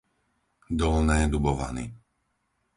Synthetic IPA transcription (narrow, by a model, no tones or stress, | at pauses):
d̪ɔlnɛːd̪ubɔʋa̰nḭ